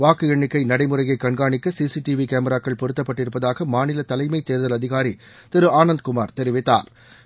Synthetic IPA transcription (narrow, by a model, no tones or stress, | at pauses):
ʋaːkɯɛɳːɪkːɐɪnɐɽɐɪmɯrɐjɐɪkːɐɳɡaːɳɪkːɐsiːsiʈiʋikeːmɐɾaːkːɐɭpɔɾɯt̪ːɐpːɐʈːɪɾɯpːɐðaːɣɐmaːnɪlɐt̪ːɐlɐɪmɐɪt̪eːɾðɐlɐðɪɣaːɾi | t̪ɪɾɯaːnɐnd̪̚kʊma̰ːɾt̪ɛɾɪʋɪt̪ːa̰ːɾ